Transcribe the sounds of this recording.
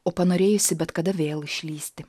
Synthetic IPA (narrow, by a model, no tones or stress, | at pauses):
oːpɐnoːɾʲeːjʊsʲɪbʲɛt̪kɐd̪ɐʋʲeːlˠɪʃʲlʲiːsʲt̪ʲɪ